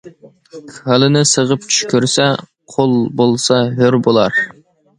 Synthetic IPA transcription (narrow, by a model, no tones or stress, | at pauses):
kɑlˠɪnɪsəʁəp̚t͡ʃʰyʃkʲyɾsɛ | qʰolˠbolˠsɑɦøɾbolˠɑɾ